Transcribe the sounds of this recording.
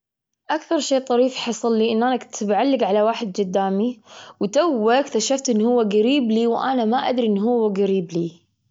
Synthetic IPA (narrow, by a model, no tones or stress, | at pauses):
ʔakθɑɾˤʃeːt̪ˤɑɾiːfħɑsˤɑlːiʔɪnːʔaːnakt̪ɪbʕalːɪɡʕalawaːħɪd̪̚d͡ʒʊd̪ːaːmiwt̪awːakt̪aʃaft̪ʔɪnːhʊwːaɡaɾiːbliwʔanamaʔa̰d̪ɾiʔɪnːɦʊwːaɡaɾiːbliː